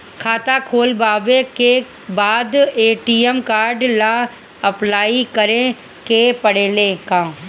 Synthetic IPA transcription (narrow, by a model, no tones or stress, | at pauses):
kʰaːt̪akʰoːlbaːʋẽke | baːd̪eːʈiːəmkaːɾɖla | əplaːikəɾẽ | kepəɽeːlekãː